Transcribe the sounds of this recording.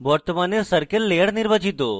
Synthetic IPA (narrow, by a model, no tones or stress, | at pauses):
bɔɾt̪əmanesəɾkəlːejəɽnɪɾʋəd͡ʒit̪̬o